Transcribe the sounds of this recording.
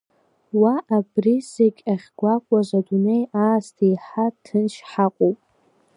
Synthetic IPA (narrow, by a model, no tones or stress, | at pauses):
waʔabrizeɡʲʼaχʲɡʷakʷʼazʷadune̞jaːstʰejħatʰɨnʃħaqʷʼowpʼ